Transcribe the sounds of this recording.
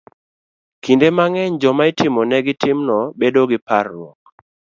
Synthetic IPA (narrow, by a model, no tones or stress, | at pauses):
kindemaŋɛɲd͡ʒɔmaɪtɪmɔnɛɡɪtɪmnɔbedoɡɪparːwɔk̚